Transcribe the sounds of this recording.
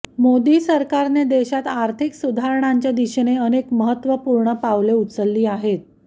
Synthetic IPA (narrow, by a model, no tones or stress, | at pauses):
mod̪iːsəɾkaɾned̪eɕat̪aɾt̪ʰiksud̪ʱaɾɳ̃aɲt͡ɕjad̪iɕneənekməɦət̪ːʋəpuɾɳəpaʋleut̪səlːiːaɦet̪̚